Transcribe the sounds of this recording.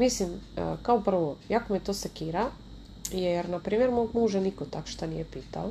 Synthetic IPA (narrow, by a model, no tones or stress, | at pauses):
mislimə̰kaopr̩ʋojakomet̪osekiːɾa | jɛɾnapɾiːmjeɾmoɡmuʒenikot̪akʃt̪anḭjepiːt̪a̰o